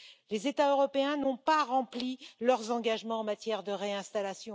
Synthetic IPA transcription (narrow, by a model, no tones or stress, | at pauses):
lezet̪aøʁɔpeɛ̃nɔ̃paʁɑ̃plilœʁzɑ̃ɡaʒmɑ̃ɑ̃mat̪jɛʁd̪əʁeɛ̃st̪alasjɔ̃